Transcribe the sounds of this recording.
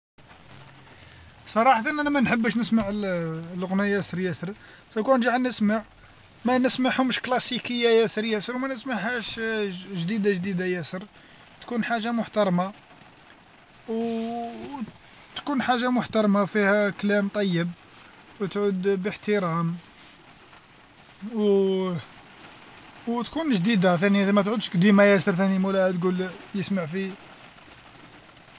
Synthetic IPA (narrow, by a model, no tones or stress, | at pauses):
sˤɑɾˤɑħt̪ənʔænæmænħəbːəʃnəsmaʕllʊɣnijæsəɾjæsəɾ | t̪ækunʒaʕnəsmaʕ | mænəsmaʕhʊmʃklɑsikəjːajæsəɾjæsəɾwmænəsmaʕhæʃʒd̪id̪aʒd̪id̪ajæsəɾ | t̪kunħaʒːamʊħt̪ɑɾˤmɑ | w | t̪kunħaʒːamʊħt̪ɑɾˤmafihæklæmt̪ˤɑjːəb | wt̪ʕud̪bəħt̪əɾˤɑm | w | wt̪kunʒd̪id̪at̪ænijæmæt̪ʕud̪ʃkd̪imæjæsəɾt̪ænimulæt̪ɡuljəsmaʕfi